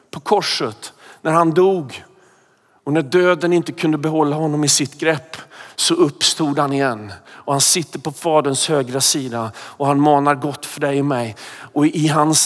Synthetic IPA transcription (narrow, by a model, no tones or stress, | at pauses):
pʰɔkʰɔʂət̪næɾhand̪uːɡ | ɔnæɖøːd̪ənɪnt̪əkʰɵnd̪əbɛɦɔlːaɦɔnːɔmɪsɪt̪ɡɾɛpːsɔɵpːst̪uːd̪hanɪjɛnːɔhansɪt̪ːəɾpʰɔfɑːd̪ənshøːɡɾasiːd̪aɔhanmɑːnaɾɡɔt̪ːfœɖɛjɔmɛjɔɪɦans